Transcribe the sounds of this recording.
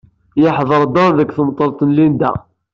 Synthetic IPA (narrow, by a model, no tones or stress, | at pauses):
jəħðˤəɾˤd̪ɑnðəkθəmt̪ˤːəɾt̪ˤənlind̪æ̰